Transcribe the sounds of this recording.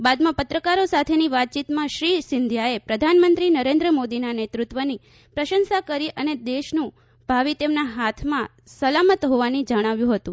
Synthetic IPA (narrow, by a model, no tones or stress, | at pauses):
bad̪mãpət̪ɾəkaɾosat̪ʰeniʋat̪̚t͡ʃit̪mãʃɾisɪnd̪ʱjaepɾəd̪ʱanmənt̪ɾinəɾend̪ɾəmod̪inanet̪ɾut̪ʋəni | pɾəʃənsakəɾiʔəned̪eʃnũ | bʱaʋit̪emnaɦat̪ʰmã | səlamət̪ɦoʋanid͡ʒəɽ̃aʋjũɦət̪ũ